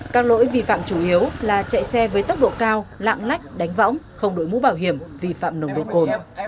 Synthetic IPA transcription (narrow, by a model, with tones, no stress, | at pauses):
kaː˦˥k̚lo̰˧˥jvi˨˩fa̰ː˧˨mt͡ɕu˧˩ʔi˨˦əwlaː˨˩t͡ɕa̰˧˨jsɛ˧vəː˨˦jt̪ə˦˥k͡p̚ɗo̰˧˨kaː˧wla̰ː˧˨mla˦˥jk̟̚ɗa˨˦ŋ̟vɔ̰˧˥wŋ͡m | xə˧wŋ͡mɗo̰˧˨jmṵ˧˥ɓaː˧˩wɦi˧˩əmvi˨˩fa̰ː˧˨mnə˨˧˩wŋ͡mɗo̰˧˨ko˨˩n